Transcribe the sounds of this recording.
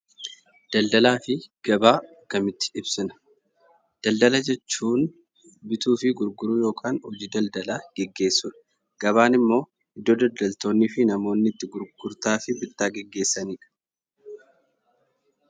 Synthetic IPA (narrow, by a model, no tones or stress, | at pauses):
d̪̥ɐld̪ɐlaːfɪɡ̥ɐbaː | kɐmɪt̪ːɪ̥ɪbsɪnɐ̥ | d̪̥ɐld̪ɐlɐd͡ʒɛt͡ʃːuːn | bɪt̪uːfɪɡʊɾɡʊɾʊjo̞ːkʰʼaːnhɔd͡ʒiːd̪ɐld̪ɐlaɡ̥ɛɡːe̞ːsːʊᶑɐ̥ | ɡ̥ɐβaːnɪmːo̞ː | ɪd̪ːod̪ɐld̪ɐlt̪o̞ːnːiːfɪnɐmo̞ːnːɪt̪ːɪɡʊɾɡʊɾt̪aːfɪbɪt̪ːaːɡɛɡːe̞ːsːɐniːᶑɐ̥